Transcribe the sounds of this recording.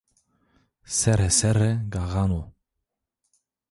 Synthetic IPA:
sɛɾɛsɛɾɛɡaɣano

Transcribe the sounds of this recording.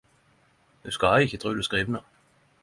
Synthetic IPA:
d̪ʉskɑhɑɪçət̪ʁʉːd̪ʉskʁiːʋnə

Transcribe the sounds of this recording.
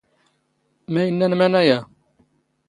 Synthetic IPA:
mæjənːænmænæjæ

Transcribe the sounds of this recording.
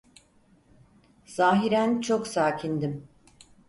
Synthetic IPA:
z̥aːɦiɾænt͡ʃʰoksaːcʰind̪im

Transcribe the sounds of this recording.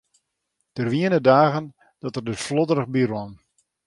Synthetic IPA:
d̥ərʋiənədaːɣən | d̥ɔtərdøsflɔdərəɣbirɔn

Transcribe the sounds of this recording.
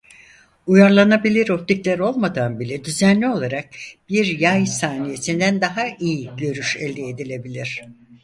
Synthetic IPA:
ujaɾlˠanabilʲiɾo̞p̚t̪iclʲæɾo̞lˠmad̪anbilʲɛd̪yzænlʲio̞lˠaɾak̚b̥iɾjajsaːnije̞sind̪ænd̪aɦaʔijiɟø̞ɾyʃɛlʲd̪ied̪ilʲe̞bilʲiɾ̝̥

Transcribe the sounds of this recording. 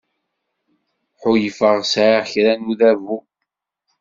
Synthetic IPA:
ħʊjəfəʁsʕaʁçɾænuðævu

